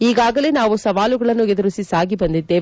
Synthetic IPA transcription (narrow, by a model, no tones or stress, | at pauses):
iːɡaːɡɐle̞ːnaːʋusɐʋaːluɡɐɭɐnːued̪ɐɾusisaːɡibɐnd̪id̪ːe̞ː